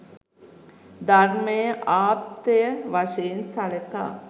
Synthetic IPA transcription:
d̪aɾməjəʔaːt̪ejəʋaʃeːnsaləka̰ː

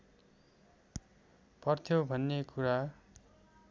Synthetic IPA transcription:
pʌrt̪ʰjobʱʌnːekuɾa

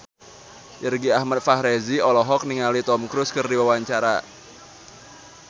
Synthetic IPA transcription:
ʔərɡiahmat̪̚fahɾɛziɔlɔɦɔk̚niŋalit̪ɔmkɾʊskɨrdiwawaɲt͡ʃaɾa̰

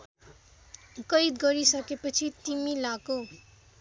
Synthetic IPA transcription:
kʌjd̪ɡʌɾisʌkepʌt͡sʰit̪imilako

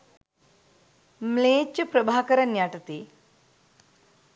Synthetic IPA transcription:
mleːt͡ʃːɐpɾɐbʱaːkɐɾɐnjaːʈɐt̪iː

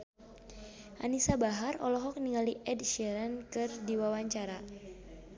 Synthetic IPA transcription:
ʔa̰nisabaɦarɔlɔɦɔk̚niŋaliʔɛdʃɛɾankɨrdiwawaɲt͡ʃaɾa

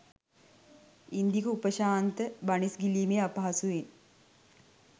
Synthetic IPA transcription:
ind̪ikəupəʃaːnt̪əbanisɡiliːmeapaɦasuʋen

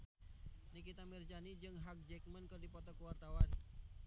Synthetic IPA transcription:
nikit̪amird͡ʒanid͡ʒɨŋɦak̚d͡ʒɛk̚mənkɨrdipɔt̪ɔkuwart̪awan

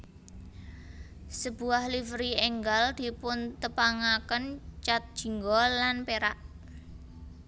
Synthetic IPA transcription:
səb̥ṳahlifɾiɛŋɡald̪̥i̤pʊnt̪əpaŋakənt͡ʃat̪̚d̥ʒ̥i̤ŋɡɔlanpeɾaʔ

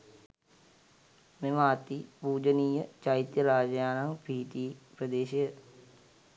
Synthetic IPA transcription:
memaːt̪ipuːd͡ʒəniːjət͡ʃajit̪jəɾaːd͡ʒəjaːnaŋpiːt̪iːpɾəd̪eːɕejə

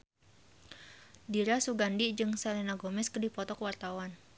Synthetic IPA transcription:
diɾasuɡandid͡ʒɨŋsalɛnaɡomɛskərdipɔt̪ɔkwart̪awan

